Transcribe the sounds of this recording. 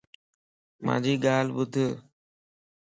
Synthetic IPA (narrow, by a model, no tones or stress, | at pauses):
ma̰ːd͡ʒʱiːɡaːlbʊt̪ʰə